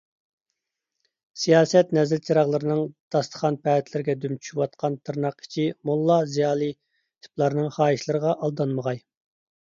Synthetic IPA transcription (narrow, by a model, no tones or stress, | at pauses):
sijɑːsɛt̪nɛzɪlt͡ʃʰɑɾɑʁlˠɨɾɨnɨŋd̪̥ɑst̪ʰə̥χɑnpʰɛt̪ʰlɪɾɪɡʲɛd̪ymt͡ʃʰy̥ʃwɑt̪̚qʰɑnt̪ʰɨɾnɑqi̥t͡ʃʰimulˠːɑzijɑːlˠɨ | t̪ʰi̥plˠɑɾnɨŋχɑːjiʃlˠɨɾəʁɑʔɑlˠd̪ɑnməʁɑj